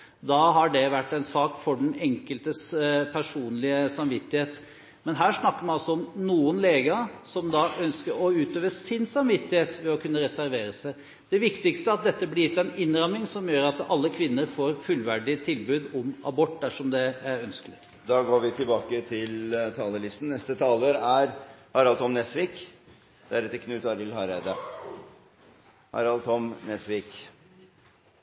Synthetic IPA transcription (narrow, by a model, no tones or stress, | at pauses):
d̪ɑɦɑɖɛʋæʈːɛnsɑːkfɔɖɛnɛŋkəlt̪əspʰæʂuːnlɪəsɑmʋɪt̪ːɪheːt̪ | mɛnɦæːʂnɑkːəɾmɛnɑlsɔɔmnuːənleːɡɑsɔmd̪ɑœnskəɾɔʉːt̪øːʋəsɪnsɑmʋɪt̪ːɪheːt̪ʋɛɔkʰʉnːəɾɛsæɾʋeːɾəsæɪ | d̪ɛʋɪkt̪ɪkst̪əɑt̪̚d̪ɛt̪ːəblɪɪt̪ːɛnɪnːɾɑmːɪŋsɔmjøːɾɑt̪ɑlːəkʰʋɪnːəɾfoːɾfʉlʋæɖɪt̪ʰɪlbʉːd̪ɔmɑ̰bɔʈːd̪æʂɔmd̪ɛæɾœnskəlɪ | d̪ɑːɡoːɾʋɪt̪ʰɪlbɑːkət̪ʰɪlt̪ʰɑːləɭɪst̪n̩nɛst̪ət̪ʰɑːləɾæɾhɑɾɑlt̪ʰɔmnɛsʋiːk | d̪̥æɾɛt̪ːəkʰnʉːt̪ɑɾɪlhɑɾæɪd̪ɑ | hɑ̰ɾɑlt̪ʰɔmnɛsʋiːk